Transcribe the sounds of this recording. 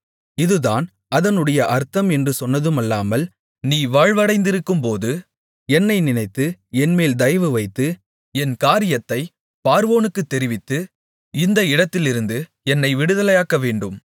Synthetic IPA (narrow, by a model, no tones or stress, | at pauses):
ɪðɯðaːn | ɐðɐnɯɽɐjɐʔɐɾt̪ːɐmɛndrɯsɔnːɐðɯmɐlːaːmɐl | niːʋaːɻʋɐɽɐɪnd̪ɪɾɯkːɯmpoːðɯ | ɛnːɐɪnɪnɐɪt̪ːɯɛnmeːld̪ɐjʋɯʋɐɪt̪ːɯ | ɛnkaːɾɪjɐt̪ːɐɪ | paːɾʋoːnɯkːɯt̪ːɛɾɪʋɪt̪ːɯ | ɪnd̪ɐɪɽɐt̪ːɪlɪɾɯnd̪ɯ | ɛnːɐɪʋɪɽɯðɐlɐjaːkːɐʋeːɳɖɯm